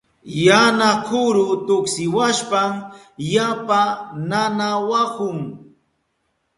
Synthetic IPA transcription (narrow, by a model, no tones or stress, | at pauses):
janakʰʊɾʊt̪ʊksɪwaʃpam | japananawakʊŋ